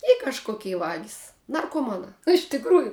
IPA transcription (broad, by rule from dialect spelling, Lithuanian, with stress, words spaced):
ɪ kɐʃˈkoːkʲɛɪ ˈʋɑːɡʲɪs nɐrkoːˈmɑːnɑː ɪʃ tʲɪkˈruːjʊ